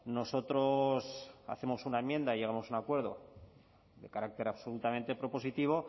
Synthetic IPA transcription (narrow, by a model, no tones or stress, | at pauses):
no̞so̞t̪ɾosa̰θe̞mosunaemːjẽ̞nd̪aiʝe̞ɣamo̞sunakwe̞ɾð̞o̞̰ | ðe̞kaɾak̚t̪e̞ɾaβsolut̪amẽ̞nt̪e̞pɾo̞po̞sit̪iβ̞o̞